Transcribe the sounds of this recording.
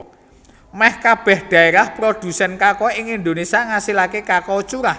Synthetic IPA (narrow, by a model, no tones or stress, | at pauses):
mɛhkab̥ɛ̤hd̪̥a̤eɾahpɾod̪̥ṳsɛnkakɔɪŋind̪onesiaŋasilakekakɔt͡ʃuɾah